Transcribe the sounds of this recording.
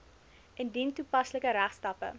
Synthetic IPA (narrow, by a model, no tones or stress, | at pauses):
ʔɛndintupɐsləkəɾæχstɐpə̰